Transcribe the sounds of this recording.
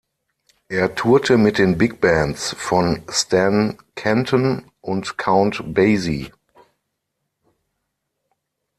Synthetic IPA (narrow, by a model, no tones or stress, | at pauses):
ʔeːɐtʰuːɐtʰəmɪt̚d̥eːnbɪk̚b̥æ̃ntsfɔnstʰɛ̃n | kʰɛ̃ntʰɔ̃n | ʊntkʰãʊ̃ntbeɪzi